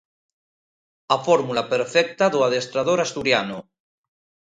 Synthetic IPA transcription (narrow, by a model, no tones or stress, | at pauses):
afoɾmulapeɾfɛk̚t̪aðoaðest̪ɾað̞oɾast̪uɾjanu